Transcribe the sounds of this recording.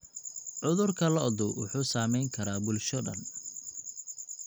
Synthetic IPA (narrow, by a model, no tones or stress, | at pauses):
ʕʊðʊrkʰɐlɔd̪ʊwʊ̰ħuːsaːmɛjŋkʰɐɾaːbʊlʃɔɖɐ̰n